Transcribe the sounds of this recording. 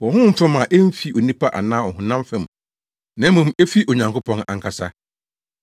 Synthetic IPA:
wɔ̃˨hʊ̃˦m̩˦fɛ̃˦ma˨ʔe˦m̩˦fi˦ʔo˨nĩ˦pʰa˦ʔa̰˨nãː˦ɔ˨hʊ̃˨nã˦mfɛ̃˨m | nã˨˦mũ˨me˦fi˦ʔo˨ɲã˨ŋkʰʊ˦pʰɔ̃˦na̰˨ŋ˨kʰa˨sa˦

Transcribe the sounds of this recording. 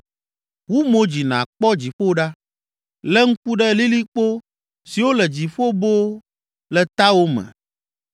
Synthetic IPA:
wu˦mõ˦d͡ʑi˨nã̰˨k͡pɔ˦d͡ʑi˨ɸo˦ɖa˦ | lɛ˦ŋ̩˦ku˦ɖɛ˦li˦li˦k͡po˦ | si˨wo˦lɛ˨d͡ʑi˨ɸo˦bo˦ | lɛ˨t̪a˦wo˦mɛ̰̃˨

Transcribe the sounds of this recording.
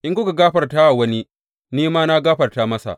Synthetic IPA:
ʔɪ˦ŋkʊ˦ɡa˨ɡaː˦ɸɐ˨rta˦ʔa˨wɐ˦ni˦ | niː˦maː˦na˦ɡaː˦ɸɐ˨rta˦mɐ˦sa̰˨ʔ

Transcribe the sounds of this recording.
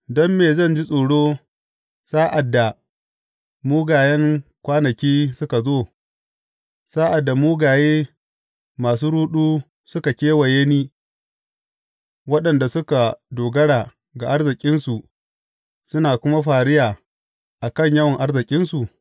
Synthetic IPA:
dɔ˦mːeː˨zɐ˦˨nd͡ʒi˦sʼoː˨ɽoː˦ | saː˦ʔa˨dːa˨ | muː˦ɡaː˨jɛ˦ŋkʷaː˦nɐ˨kʲiː˦sʊ˦ka˨zoː˦˨ | saː˦ʔa˨dːa˨muː˦ɡaː˨jeː˦ | maː˨s̬uː˦ɽuː˦ɗuː˦ | sʊ˦ka˨kʲeː˦wɐ˨je˦niː˦ | wɐ˦ɗɐ˨nda˨sʊ˦ka˨doː˨ɡɐ˦ɽaː˨ | ɡa˨ʔa˦ɽzɪ˨kʲʼɪ˦nsu˨ʔ | sʊ˦naː˨kʷʊ˦ma˦ɸaː˨ɽɪ˦jaː˨ | ʔa˨kɐ˦˨ɲjɐ˦wɐ˨ŋʔa˦ɽzɪ˨kʲʼɪ˦nsu˨ʔ

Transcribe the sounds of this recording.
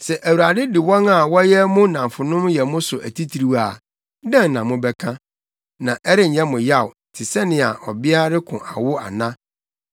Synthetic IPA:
sɛ˨ʔæ˨wu˨ɾa˨dɪ˦dɪ˨wɔ̃˦ŋa˨wɔ˦jɛ˦mʊ̃˦nã˨m˨fʊ˨nʊ̃˦mjɛ˨mʊ̃˦sʊ˨ʔæ̰˨tʰi˦tʰi˨ɾi˦wa˨˦ | dɛ̃˦n˨nã˨mʊ̃˦bɛ˦kʰã˦ | nã˨ʔɛ˦ɾɪ˦ɲ̩˨ɲɛ̃˦mʊ̃˨ja˦˨wtʰɪ˨sɛ˦nɪ̃˨a˨ʔɔ˨bɪ˦a˦ɾɪ˦kʰʊ̃˨ʔa˨wʊ˦a̰˨nã˦

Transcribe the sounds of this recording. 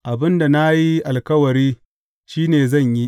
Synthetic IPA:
ʔa˨bɪ˦nda˨na˦ji˦ʔa˨lkɐ˦wɐ˨ɾiː˦ | ʃiː˦neː˨zɐ˦˨ɲji˦ʔ

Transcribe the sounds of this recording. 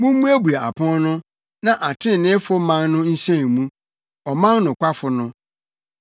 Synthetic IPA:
mũ˦m˦mũ˦æ˦bu˨a˨a̰˨pʰɔ̃˦nnʊ̃˦ | nã˨ʔa˨tʰɪ̃˦n˨nɪ̃˦fʊ˦mã˦nːʊ̃˦n̩˦ɕɛ̃˦˨mũ˦ | ɔ˨mã˦nnʊ̃˨kʷa˦fʊ˨nʊ̃˦

